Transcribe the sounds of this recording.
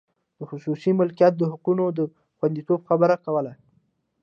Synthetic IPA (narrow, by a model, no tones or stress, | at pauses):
d̪̥əxʊsusimʊlkijɑt̪̚d̪əɦʊqunod̪ə | xwand̪it̪obxabəɾakawəla